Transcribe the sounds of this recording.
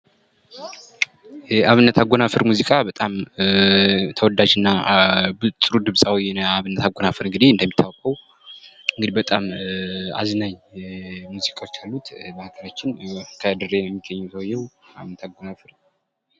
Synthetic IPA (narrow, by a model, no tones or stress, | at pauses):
jɛaβɨnːət̪ʰaɡʷonafɨɾmuzikʼabət̪ʼam | t̪ʰəwɔd̪ad͡ʒɨnːabɨt̪ʼɨɾud̪ɨβsʼawijɛnaβɨnːət̪aɡonafɨɾɨŋɡɨd̪ihɨnd̪əmːit̪ʰːawɔkʼəw | ɨŋɡɨd̪ibət̪ʼama̰znaɲ | muzikʼawot͡ʃːalːut̪məhakʰəɾat͡ʃːɪnkʰəd̪ɨɾːejɛɛmːiɡəɲːɛwt̪ʰəwjːɛwa̰βɨnːət̪ʰaɡonafɨɾ